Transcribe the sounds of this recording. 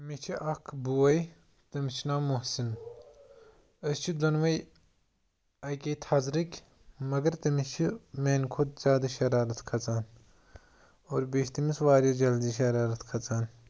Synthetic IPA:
mit͡ʃʰiʔɐkʰbuɐj | t̪ɐmit͡ʃʰinaːmuɦsin | ɐst͡ʃʰid̪ɐnʋɐj | ɐjkʲeːt̪ʰɐzɾikʲ | mɐɡɐɾt̪ɐmit͡ʃʰimeːnkʰod̪z̥ʲjaːd̪ɐʃɐɾaːɾɐt̪ʰkʰɐt͡saːn | oːɾbiʃt̪imisʋaːɾjɐd͡ʒɐld̪iːʃɐɾaːɾɐt̪ʰkʰɐt͡saːn

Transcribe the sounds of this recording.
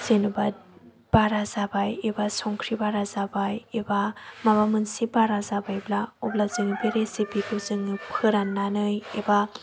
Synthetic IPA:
z̥enubad̚ | b̥aɾazabajebasɔŋkʰɾibaɾazabajebamabamɯnsibaɾazabajblaɔblazɯŋibeɾesipikʰɯzɯŋipʰɯɾanːanɯjeba

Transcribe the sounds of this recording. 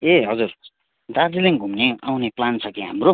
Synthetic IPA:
eɦʌd͡zur | d̪ad͡ziliŋɡʱumneawneplant͡sʰʌkiɦamro

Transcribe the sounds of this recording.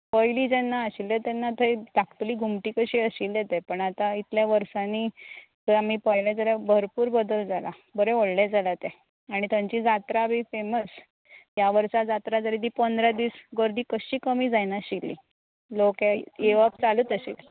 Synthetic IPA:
pəjliːd͡ʑɛnːaəɕilet̪ɛnːat̪ʰəjd̪akt̪liːɡʱumʈiːkəɕiːəɕiːljet̪ɛpəɳat̪ait̪ljaʋəɾsãnit̪əam̤ipəjlɛd͡zəlabʱəɾpuːɾbəd̪əld͡zalabəɾeoɽled͡zalat̪ɛ | aɽ̃it̪jãɲt͡ɕiːd͡zat̪ɾabifeməs | ɦjaʋəɾsad͡zat̪ɾad͡zəɾid̪iːpənd̪ɾad̪iːsɡəɾd̪iːkəɕiːkəmiːd͡zajnaɕilːḭ | lokejeʋap̚t͡saluːt̪əɕḭːl

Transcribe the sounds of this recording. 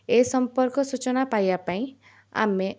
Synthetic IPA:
esʌmpɔɾkɔsut͡ʃɔnapajbapaĩ | a̰me

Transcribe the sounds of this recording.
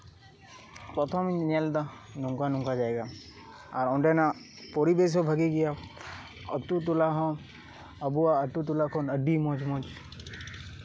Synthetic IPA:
pɾɔt̪ʰɔmnald̪a | nuŋkanũŋkad͡ʒaːɛɡa | aɾɔ̃ɳɖena | pɔɾibes̬ɔbʱaɡiɡija | ɔt̪ut̪ulaɦɔ̃ | əbuaəʈut̪ulakʰɔnəɖimɔ̃d͡ʒmɔ̃d͡ʒ

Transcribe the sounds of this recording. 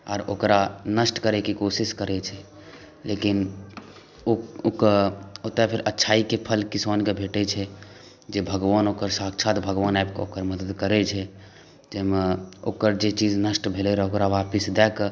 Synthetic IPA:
ɔ̰ːɾo̰ːkɾanəsʈkəɾɛkikosiskəɾɛt͡ʃʰɛ | leːkin | ookot̪apʰɪɾətːʃʰaːikepʰəlkisoːnkebʱeʈɛt͡ʃʰɛ | d͡ʒebʱəɡʋaːnoːkəɾsaːkt͡ʃʰat̪bʱəɡʋaːnabkokəɾməd̪əd̪kəɾɛt͡ʃʰɛ | d͡ʒemeoːkəɾd͡ʒet͡ʃid͡ʒnəsʈbʱelɛɾɛokɾaʋaːpisd̪ɛːk

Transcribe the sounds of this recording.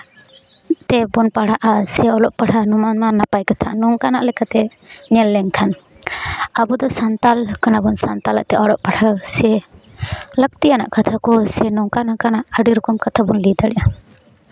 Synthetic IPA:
t̪ɛbɔnpaɽ̤aʔasɛɔlɔʔpaɽ̤anɔmanmanːapajkat̪ʰanɔŋkanaʔlɛkat̪ɛ | ɲɛlːɛŋkʰan | abud̪ɔsant̪alkanabɔnsant̪alaʔt̪ɛʔɔɽɔʔpaɽasɛ | lək̚t̪ijana̰ʔkat̪ʰakɔsɛnɔŋkanakanaʔəɖiɾɔkɔmkat̪ʰabunlid̪aɽɛʔa

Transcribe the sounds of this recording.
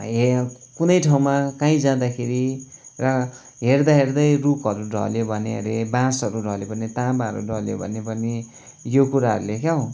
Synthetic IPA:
ɦekunʌjʈʰaw̃makaĩd͡zãd̪akʰeɾirʌ | ɦerd̪aɦerd̪ʌjrukɦʌɾuɖʱʌ̰ljobʱʌnḛʌ̰ɾebãsɦʌɾuɖʱʌljobʌnet̪abaʌɾṵɖʱʌljo̰bʱʌ̰nebʱʌne | jokuɾaɦʌ̰ɾulekaõ

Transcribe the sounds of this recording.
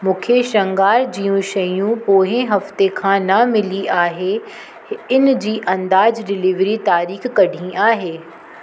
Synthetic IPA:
mũːkʰeʃɐ̃ŋɡaːɾd͡ʑijũʃɐjũpoːɦẽɦɐft̪ekʰãːnɐmɪliʔaːɦe | ɪnd͡ʑiːʔɐ̃nd̪aːd͡ʑɖɪlɪʋɾit̪aːɾiːxːɐɖʱĩʔaːɦeː

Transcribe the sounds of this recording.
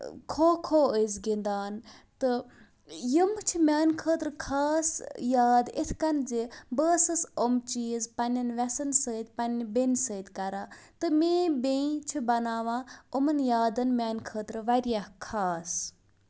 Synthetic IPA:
kʰoːkʰoːəjzɡind̪aːnt̪ɨ | jəmt͡ʃʰimʲaːnkʰəːt̪ɾɨkʰaːsjaːd̪it̪ʰkɐnzebəːsɨsomt͡ʃiːzpɐnʲɐnʋʲɛsɐnsəːd̪ʲpɐnʲbensəːd̪ʲkɐɾaːt̪ɨmeːbẽĩt͡ʃʰibɐnaːʋãːomənjaːd̪ɐnmʲaːnkʰəːt̪ɾʋɐɾjahkʰaːs

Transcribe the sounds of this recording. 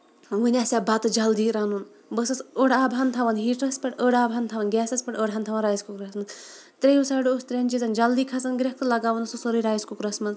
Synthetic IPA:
ʋunʲasʲabɐt̪ɨd͡ʒɐld̪iːɾanun | bəsɐsəɽaːbʱant̪ʰaʋɐnɦiːʈɐspɐʈəɽaːbʱɐnt̪ʰaʋɐnɡʲɛːsɐspɐʈəɽɦant̪ʰaʋɐnɾaːjiskukɾɐsmɐz | t̪ɾejusaːɽost̪ɾʲenʲt͡ʃizɐnd͡ʒɐld̪iːkʰɐsɐnɡɾʲɐk̚t̪ɨlɐɡaːʋɐnususoɾiɾaːjiskukɾɐsmɐz

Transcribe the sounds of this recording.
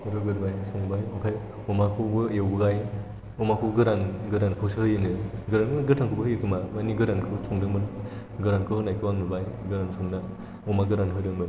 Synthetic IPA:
ɾɯɡɯɾbajsɔŋbajɔkʰaj | ɔmakʰɯbɯjewbɯɡaj | ɔmakʰuɡɯɾanɡɯɾankʰɯwsɯhɯjɯnɯɡɯɾanɯɡɯtʰaŋkʰubɯhɯjɯkʰɯmamaniɡɯɾankʰɯsʰɔŋdɯmɯn | ɡɯɾankʰɯnajkʰɯwaŋnɯbajɡɯɾansʰɔŋna | ɔmaɡɯɾanɦɯjɾɯɯ

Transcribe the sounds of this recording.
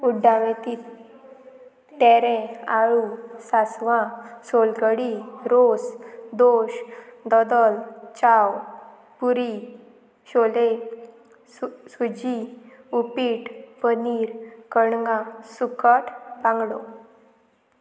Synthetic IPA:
uɖʱːaʋẽt̪iːt̪ | t̪ːɛɾɛ̃aɭusasʋãsolɡəɽiɾosd̪oɕd̪ɔd̪əlt͡ɕaw | puɾi | ɕole | sud͡ʑi | upiːʈpəniːɾkəɳŋɡãsukəʈʰbãŋɡlo

